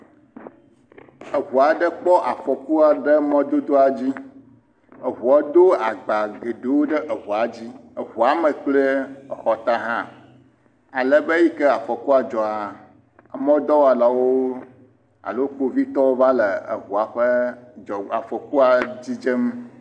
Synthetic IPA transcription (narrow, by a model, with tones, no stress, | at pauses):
ə˨ɦu˨a˨ɖə˦k͡pɔ˦ʔa˨fɔ˨ku˦a˨ɖə˦mɔ̃˦d̪o˦d̪o˦a˨d͡ʑi˦ | ə˨ɦu˨a˨d̪o˦a˨ɡ͡ba˨ɡe˨ɖe˨wo˦ɖə˦ʔə˨ɦu˨a˨d͡ʑi˦ə˨ɦu˨a˨mə˨k͡plə˦ə˨xɔ˨t̪a˦ɦã˦ | a˨lə˦be˦ji˦kɛ˦a˨fɔ˨ku˦a˨d͡ʒɔ˨a˨ | mɔ̃˦d̪ɔ˦wa˨la˨wo˦ | a̰˨lo˦ko˦vi˦t̪ɔ˦wo˦va˦lə˨ə̰˨ɦu˨a˨ɸə˦d͡ʒɔ˨a˨fɔ˨ku˦a˨d͡ʑi˦d͡ʒə˦m